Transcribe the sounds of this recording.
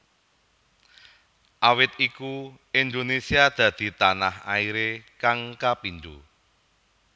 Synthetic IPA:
ʔawɪt̪̚iku | ind̪onesiad̪̥ä̤d̪̥i̤t̪anaha̰iɾekaŋkapind̪u

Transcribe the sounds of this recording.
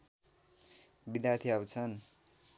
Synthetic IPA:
bid̪jart̪ʰiawt͡sʰʌn

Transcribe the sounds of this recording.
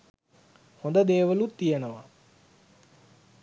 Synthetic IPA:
hõnd̪əd̪eːʋəlut̪ːijənəʋa

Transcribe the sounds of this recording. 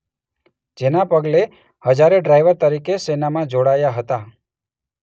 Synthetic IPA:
d͡ʒenapəɡle | həd͡ʒaɾeɖɾajʋəɾt̪əɾikesenamãd͡ʒoɽajaɦət̪a

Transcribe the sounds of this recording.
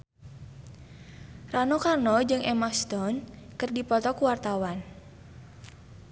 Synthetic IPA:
ranɔkarnɔd͡ʒɨŋʔɛmast̪ɔnkɨrdipɔt̪ɔkuwart̪awan

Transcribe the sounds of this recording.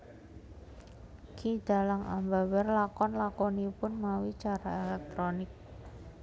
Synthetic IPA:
kʰid̪̥a̤laŋambawɛrlakɔnlakonipʊnmawit͡ʃaɾaelɛk̚t̪ɾonɪk̚

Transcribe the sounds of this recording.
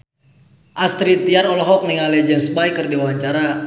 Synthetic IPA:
ʔast̪ɾit̪iarɔlɔɦɔk̚niŋalɛd͡ʒɛmsbajkərdiwaɲt͡ʃaɾa

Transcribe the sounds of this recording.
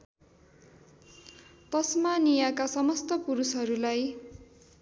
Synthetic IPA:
t̪ʌsmanijakasʌmʌst̪ʌpuɾusɦʌɾulaj

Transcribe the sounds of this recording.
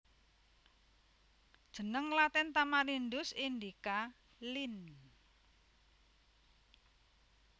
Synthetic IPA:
d̥ʒ̥ə̤nəŋlat̪ɛnt̪amalind̪ʊsind̪ika | lin

